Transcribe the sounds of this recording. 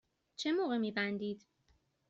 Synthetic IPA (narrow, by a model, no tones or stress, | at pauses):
t͡ʃʰemoːɣemiːbænd̪iːd̪̥